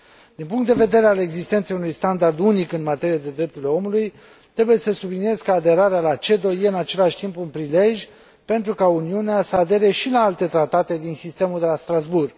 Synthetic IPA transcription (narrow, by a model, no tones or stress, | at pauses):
d̪̥inpuŋkt̪d̪eve̞d̪e̞ɾe̞ale̞ɡzist̪e̞nt̪sejunujst̪and̪ard̪unikɨnmat̪e̞ɾiad̪e̞d̪ɾe̞p̚t̪uɾileo̞muluj | t̪ɾe̞buje̞səsublinije̞zkəad̪e̞ɾaɾealat͡ʃe̞d̪o̞je̞ɨnat͡ʃe̞laʃʲt̪impunpɾile̞ʒʲ | pe̞nt̪ɾukauniuneasəad̪e̞ɾe̞ʃilaalt̪e̞t̪ɾat̪at̪e̞d̪insist̪e̞muld̪e̞last̪ɾazburɡ